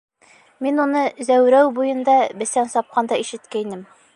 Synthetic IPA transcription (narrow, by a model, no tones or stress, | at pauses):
minunɤzæwɾæwbujɤ̆nd̪ɑbɘ̆sænsɒp̚qɑnd̪ɑiʃɘ̆t̪kæinɘm